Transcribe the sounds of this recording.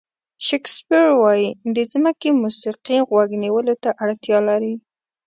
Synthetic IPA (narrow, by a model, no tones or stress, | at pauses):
ʃekspiɾwɑjid̪əd͡zmakemusiqiɣwaɡniwəlot̪aʔaɽt̪jɑlaɾi